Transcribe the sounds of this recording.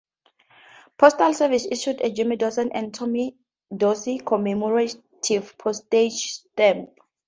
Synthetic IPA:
pʰɔstalsɛvisiʃuded͡ʒɛmidɔsɛ̃nʔɛ̃ntʰɔmi | dɔsikʰɔmɛmɔɹa | tʰivpʰɔsted͡ʒstɛ̃mp

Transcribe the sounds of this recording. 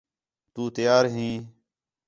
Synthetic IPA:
t̪uːt̪ɪjaːɾɦĩː

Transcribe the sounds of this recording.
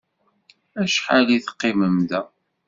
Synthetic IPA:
æʃħaliθə̥qːiməmðæ

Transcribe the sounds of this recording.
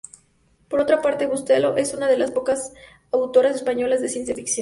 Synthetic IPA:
po̞ɾo̞t̪ɾapaɾt̪e̞βust̪e̞lo̞ʔe̞sunað̞e̞laspo̞kas | awt̪o̞ɾase̞spaɲo̞lazðe̞sje̞nsjefiksjon

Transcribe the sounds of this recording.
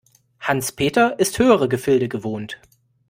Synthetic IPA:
hanspʰeːtɐʔɪsthøːəʁəɡəfɪldəɡəvoːnt

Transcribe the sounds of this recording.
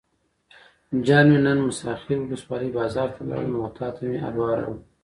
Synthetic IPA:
d͡ʒɑnmenənmʊsɑxiɾwʊləswɑləjbɑzɑːɾt̪ʰala̰ɽ̰noʊt̪ʰɑːt̪ʰameʔa̰lwɑɾa̰wu

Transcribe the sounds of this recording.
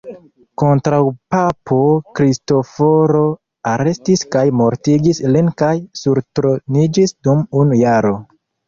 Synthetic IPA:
ko̞ntɾawpapʰo̞kɾisto̞fo̞ɾo̞ | aɾe̞stiskajmo̞ɾtiɡislinkajsuɾtɾonid͡ʒisdumunjaɾo̞

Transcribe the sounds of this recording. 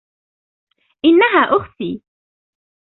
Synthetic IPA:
ʔɪnːaɦaːʔʊxθiː

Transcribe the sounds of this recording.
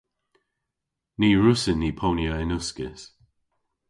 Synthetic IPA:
niːɹʊsɪnːiːpʰoːnjəɪnʊskɪ̰s

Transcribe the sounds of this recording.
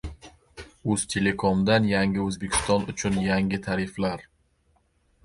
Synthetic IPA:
ɵz̥t̪ʰe̞le̞kʰomd̪anjaŋɪɵzbe̞kʲʰɪ̥st̪ɒnʊt͡ʃʰʊnjaŋɡɪt̪ʰaɾɪflaɾ

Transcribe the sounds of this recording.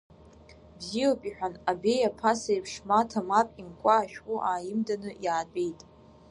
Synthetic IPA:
bziopʼiħʷᶣanabe̞japʰasajpʰʂmatʰamapʼimkʷʼaːʃᶣkʼuʔaːjɪmdanɨjaːdʼe̞jtʼ

